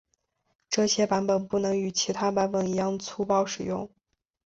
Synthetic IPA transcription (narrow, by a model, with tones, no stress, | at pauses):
ʈ͡ʂɤ˥˩ɕjɛ˥pa˧˥npə˨˩npu˥˩nɤ˧˥ŋy˨˩t͡ɕʰi˧˥t̪ʰa˥pa˧˥npə˨˩ni˧˥jɑ˥˧ŋt͡sʰu˥pɑ˥˩ʊʂɻ̩˨˩jʊ̰˥˩ŋ